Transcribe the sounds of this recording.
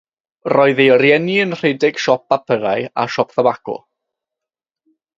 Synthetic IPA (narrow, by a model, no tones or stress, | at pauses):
rɔːɨðeəɾjɛniənr̥ejdɪɡ̥ʃɔp̚apʰəɾaja̰ʃɔpθavakʊ̰